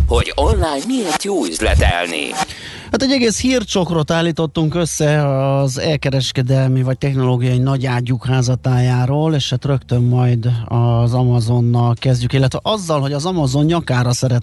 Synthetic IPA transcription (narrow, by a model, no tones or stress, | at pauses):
ho̞ɟonlaːjnmiert̪joːyzlɛ̰t̪ɛ̰lnḭ | haːt̪ɛɟːɛɡeːshiːrt͡ʃo̞krot̪aːlːiːt̪o̞t̪ːuŋkøsːɛɒzɛlkɛɾɛʃkɛd̪ɛlmivɒc̚t̪ɛxno̞loːɡijɒjinɒɟaːɟːukhaːzɒt̪aːjaːɾoːleːʃhaːt̪rø̞kt̪ø̞mːɒjd̪ɒzɒmɒzo̞nːɒlkɛzɟykilːɛt̪ʋɛʔɒzːɒlɦo̞ɟɒzɒmɒzo̞njɒkaːɾɒsɛɾɛt̪